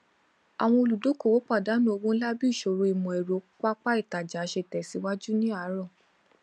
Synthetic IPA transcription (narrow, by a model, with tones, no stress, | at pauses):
a˨w̃ɔ̃˧o˧lu˨do˨˦ko˦˨wo˨˦k͡pa˦˨da˨˦nũ˦˨o˧wõ˦la˦bi˦i˦˨ʃo˨ɾo˧i˨mɔ̃˨ɛ˨ɾo˨˦k͡pa˦k͡pa˦i˦˨ta˨d͡ʒa˨˦ʃe˧˨tɛ˨si˨˧˦wa˦d͡ʒu˦nĩ˦a˨˦ɾɔ̃˦˨